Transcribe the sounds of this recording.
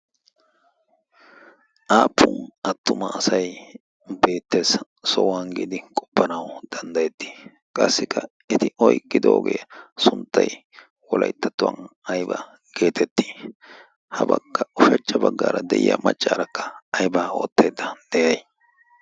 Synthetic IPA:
ʔaːpʰːʊnɐt̪ːʊmɐːsɐj | be̞ːt̪ːe̞ːs | sɔwaːnɡɪd̪ɪkʼɔ̥pːɐnɐwd̪̥ɐnd̪ɐjɛt̪ːi̥ | kʼɐsːɪkʰːɐ | ɪt̪ɪɔjkʼːɪd̪oːɡejsʊnt̪ːɐj | wɔlʔɐjt̪ːɐt̪ːʊwɐ̰nɐjbɐ̰ | ɡe̞ːt̪ʰɛt̪ːi̥ː | hɐbɐ̰kːɐʊfɛt͡ʃːɐbɐɡːa̰ːɾɐd̪ɛʔɪ̰jɐ̰mɐt͡ʃʼːaːɾɐkːɐ̥ɐjbao̞ːt̪ːe̞ːd̪ːɐd̪̥ɛjɐj

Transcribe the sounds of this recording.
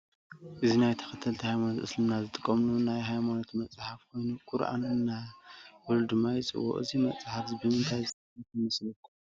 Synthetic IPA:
ʔɨzinajt̪ʰɐ̥xɐt̪ʰːɐlt̪ʰihajmanot̪ɨslɨmnazɨt̪ʼɨkʼːɐmlunajɦajmano̞t̪mɐt͡sʼħafkʰo̞jnukʼuɾʔa̰nunɨnawɔld̪ɨmːajɪt͡sʼɨ̰wːɔ̰ʔʼɨ̰zimɐt͡sʼħafzbɨmɨnt̪ʰajzɨt̪ʰʼɐkk̪ʰɨmɨslɐkʰːu

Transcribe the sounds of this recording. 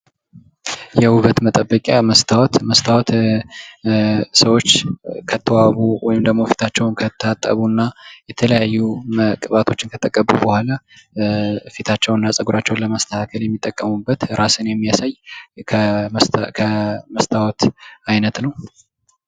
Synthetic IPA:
jɛwuβət̪mət̪ʼəbːəkʼaməst̪ʰawɔt̪məst̪ʰawɔt̪ | səwo̞t͡ʃːkʰət̪ʰːəwaβuwɔjɪmd̪əɡmofi̥t̪ʰat͡ʃːɛwnkʰət̪ʰːat̪ʼːə̰βunːajɛt̪ʰələjajːuməkʼβat̪ʰo̞t͡ʃːɪnkʰət̪ʰəkʼːəbːubəhʷala | fit̪ʰat͡ʃːɛwnːasʼəɡuɾat͡ʃːɛwnləməst̪ʰəhakʰəljɛmːit̪ʼːəkʼːəmubːət̪ɾʔasɨnjɛmːijasajkʰəmskʰəməst̪ʰawɔt̪ajnət̪nəw

